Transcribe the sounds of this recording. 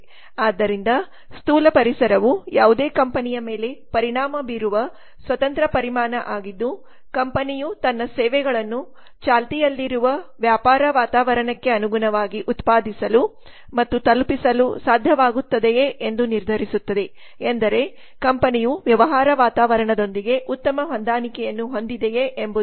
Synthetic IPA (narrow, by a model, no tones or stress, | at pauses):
aːd̪ːɐɾind̪ɐ | st̪uːlɐpɐɾisɐɾɐʋujaːʋud̪eːkɐmpɐnijɐme̞ːle̞pɐɾiɳaːmɐbiːɾuʋɐ | sʋɐt̪ɐnt̪ɾɐpɐɾimaːnɐʔaːɡid̪ːu | kɐmpɐnijut̪ɐnːɐsɛːʋɛɡɐɭɐnːu | t͡ʃaːlt̪ijɐlːiɾuʋɐʋjaːpaːɾɐʋaːt̪aːʋɐɾɐɳɐkːe̞ɐnuɡunɐʋaːɡiʔut̪paːd̪ʱisɐlu | mɐt̪ːut̪ɐlpisɐlṵsaːd̪ʱjɐʋaːɡut̪ːɐd̪ejeʔend̪uniɾd̪ʱɐɾisut̪ːɐd̪e̞ | end̪ɐɾe̞ | kɐmpɐnijuʋjɐʋɐɦaːɾɐʋaːt̪aːʋɐɾɐɳɐd̪o̞nd̪iɡe̞ʔut̪ːɐmɐɦond̪aːnikɛjɐnːuɦo̞nd̪id̪ejeʔembu